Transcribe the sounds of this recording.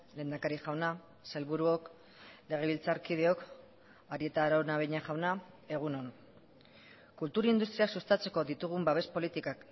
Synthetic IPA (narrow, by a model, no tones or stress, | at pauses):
le̞ːnd̪akaɾiʝawna | selβuɾuo̞k | le̞ɣ̞e̞β̞ilt͡saɾkið̞e̞o̞k | aɾie̞t̪aɾawnaβejɲaʝawna | e̞ɣ̞unon | kult̪uɾaind̪ust̪ɾiaksust̪at͡se̞ko̞ðit̪uɣ̞umbaβe̞spo̞lit̪ikak